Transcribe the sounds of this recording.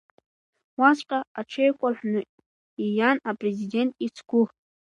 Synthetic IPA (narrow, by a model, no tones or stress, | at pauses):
wasqʼaaʈ͡ʂʰejkʷaħʷnɨ | ijanapʼrezide̞ntʼit͡sʰɡ̥ʷʊχ